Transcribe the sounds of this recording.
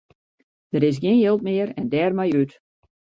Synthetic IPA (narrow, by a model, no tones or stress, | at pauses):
d̥əɾɪs̬ɡɪːnjɪlˠtmɪəɾɛndɛːrmɛjyt